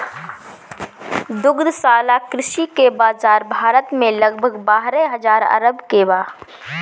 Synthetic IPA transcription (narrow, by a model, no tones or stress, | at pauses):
d̪ʊɡd̪saːlakɾɪʃikebaːzaːɾbʱaːɾət̪mẽlɐɡbʱəɡbaːɦɾɛɦɐzaːɾɐ̰ɾəbkebaː